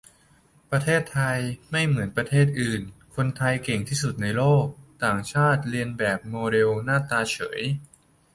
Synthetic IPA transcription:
pɾa˧t̪ʰeː˥˩t̪ʰːa˧jma˥˩jmɯ˩˦ənpɾa˧t̪ʰeː˥˩t̪̚ʔɯː˨˩nkʰo˧nt̪ʰa˧jke˨˩ŋt̪ʰiː˥˩s̬u˨˩t̪̚na˧jloː˥˩k̚t̪aː˨˩ŋt͡ɕʰaː˥˩t̪̚ɾi˧ənbɛː˨˩p̚moː˧ɾe˧wnaː˥˩t̪aː˧t͡ɕʰɤ̰ː˩˦j

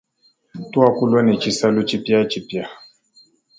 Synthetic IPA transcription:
tu˦a˦ku˦lwa˦nɛ˨t͡ʃi˦sa˦lu˦t͡ʃi˦pja˦t͡ʃi˨pja˨

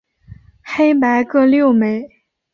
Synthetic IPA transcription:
xe˥ɪpa˧˥ɪkɤ˥˧ljo˥˩ʊme˨˩ɪ

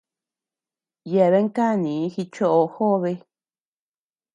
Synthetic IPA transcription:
je˨βe˦ŋ˦ka˦˨nĩ˨˦xi˧t͡ʃo˦ʔo˧xo˦˧βe˧

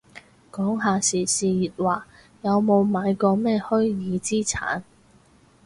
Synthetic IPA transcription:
kɔː˨˥ŋɦaː˧siː˨˩siː˨jiː˨t̚waː˨˩ | jɐ˨˧wmo˨˧wmaː˨˧jkɔː˧mɛː˥hɵ˥ɥjiː˨˧t͡siː˥t͡sʰa̰ː˨˥n

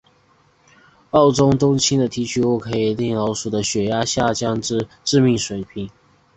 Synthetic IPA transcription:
ɑ˥˩ʊʈ͡ʂʊ˥ŋt̪ʊ˥ŋt͡ɕʰi˥nd̪ə˨t̪ʰi˧˥t͡ɕʰy˧˥wɔ˥˩kʰɤ˧˥i˨˩ljɛ˥˩ŋlɑ˧˥ʊʂu˨˩d̪ə˦ɕɥɛ˨˥ja˥ɕja˥˩t͡ɕjɑ˥ŋʈ͡ʂɻ̩˥˧ʈ͡ʂɻ̩˥˧mi˥˩ŋʂwe˨˩ɪpʰi˨˥˦ŋ

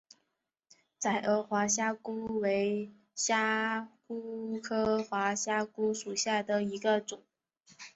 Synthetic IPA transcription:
t͡sa˨˩ɪʔə˧˥xwa˧˥ɕ̬ja˥ku˥we˧˥ɪ | ɕja˥ku˥kʰɤ˥xwa˧˥ɕja˥ku˥ʂu˨˩ɕja˥˩d̪ə˩i˧˥ɡə˧ʈ͡ʂʊ˨˩˦ŋ

